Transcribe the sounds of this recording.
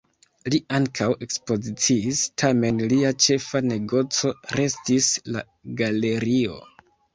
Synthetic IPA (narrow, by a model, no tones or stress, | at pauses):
liaŋkʰawe̞kspo̞zit͡siːstʰame̞nliat͡ʃe̞fane̞ɡo̞t͡so̞ɾe̞stisla̰ | ɡale̞ɾio̞̰